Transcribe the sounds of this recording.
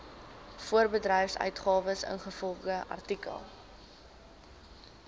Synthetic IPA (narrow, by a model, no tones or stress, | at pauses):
fuərbədrɛjfsœ̰ɥtχɑːvəsə̰nχəfɔlˠχdəʔɐ̰rtikə̰lˠ